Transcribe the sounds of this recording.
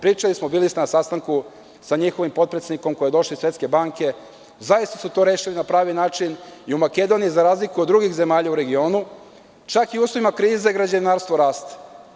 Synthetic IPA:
pɾiːt͡ʃalismobiːlist̪nasast̪aŋku | saɲixoʋimpo̞t̪̚pɾesed̪niko̞mko̞jed̪o̞ʃliisʋe̞t̪ske̞baːŋke̞ | zajist̪asut̪o̞ːɾe̞ːʃilinapɾaːʋinaːt͡ʃiniumake̞d̪o̞nijizaɾaːzlikuod̪d̪ːɾuɡixze̞maːʎauɾe̞ɡio̞ːnu | t͡ʃakiuːslˠo̞ʋimakɾiːzeiɡɾad͡ʑainaːɾst̪ʋo̞ɾaːst̪

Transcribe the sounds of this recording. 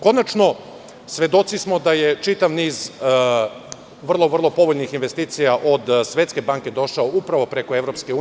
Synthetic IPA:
ko̞nat͡ʃno̞ | sʋe̞d̪o̞t̪sismo̞d̪aje̞t͡ʃit̪aʋniːz | ʋr̩lˠo̞ʋr̩lˠo̞po̞ʋoʎnixinʋe̞st̪iːt̪sijaʔod̪sʋe̞t̪ske̞baŋke̞d̪o̞ʃaoupɾaʋo̞pɾe̞koe̞ʋɾopskeuː

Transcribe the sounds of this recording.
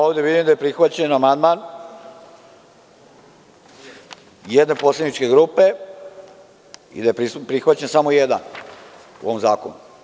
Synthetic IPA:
oːʋd̪e̞ʋid̪imd̪aje̞pɾixʋat͡ɕenamand̪man | jed̪ne̞po̞sled̪nit͡ʃke̞ɡɾuːpe | ḭd̪ajepipɾixʋat͡ɕensamojed̪a̰n | ṵoʋomzaːkonu

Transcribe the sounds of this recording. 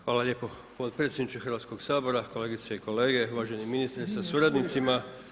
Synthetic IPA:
xʋaːlaʎeːpo̞ | po̞t̪̚pɾet̪sjed̪nit͡ʃexərʋat̪sko̞ɡsaːbo̞ɾako̞le̞ːɡit̪seiko̞le̞ːɡe̞ʋaːʒeniminist̪ɾsasuɾad̪nit̪sima

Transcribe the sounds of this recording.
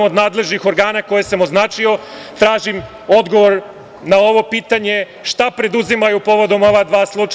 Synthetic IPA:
mod̪naːd̪le̞ʒnixo̞ɾɡaːnako̞je̞samo̞znaːt͡ʃio̞t̪ɾaːʒim | o̞d̪ɡo̞ʋo̞ɾ | nao̞ʋo̞piːt̪aɲe̞ | ʃt̪apɾe̞d̪uzimajupo̞ʋo̞d̪o̞mo̞ʋad̪ʋaːslˠut͡ʂ

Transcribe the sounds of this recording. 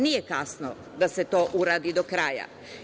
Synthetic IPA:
nije̞kasno | d̪ase̞t̪o̞ːʔuɾaːd̪id̪okɾaːja̰

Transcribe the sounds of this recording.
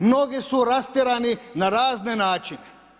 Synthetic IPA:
mnoɡisuɾast̪iɾaːninaɾaːznenaːt͡ʃine

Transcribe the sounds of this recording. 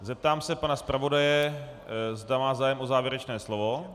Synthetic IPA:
zɛp̚t̪aːmsɛpanaspɾavo̞dajɛ | zdamaːzaːjɛmo̞zaːvjɛɾɛt͡ʃnɛːslovo̞

